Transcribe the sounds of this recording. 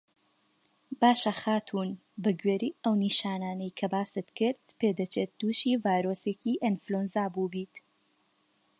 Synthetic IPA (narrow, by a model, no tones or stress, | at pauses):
baːʃɐxaːt̪ʰuːn | bɐɡɥeɾiːɐwniːʃaːnaːnɐjkʰɐbaːsɨt̪kɨɾd̪peːd̪ɐt͡ʃeːt̪̚d̪̥uːʃivaːjɾoːseːciʔenflonzaːbuːbiːt̪